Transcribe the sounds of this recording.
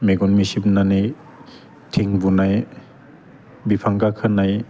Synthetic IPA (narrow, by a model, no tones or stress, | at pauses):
meɡɔnmisip̚nanij | tʰiŋbunaj | bipʰaŋkakʰɯnaj